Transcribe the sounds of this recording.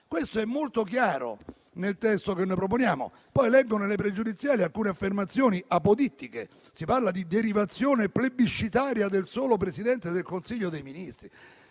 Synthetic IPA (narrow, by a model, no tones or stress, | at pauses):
kwest̪oɛmːolt̪ok̬jaːɾo̰ | nelt̪ɛst̪okenːojpɾop̬onjaːmo̰ | pɔjlɛɡːonelepɾed͡ʒud̪it̪sːjaːlialkuːneafːermat̪sːjoːniʔapod̪it̪ːike | siparlad̪id̪eɾivat̪sːjoːneplebiʃːit̪aːɾjad̪elsoːlopɾesid̪ɛnt̪ed̪elkonsiʎːod̪ejminist̪ɾi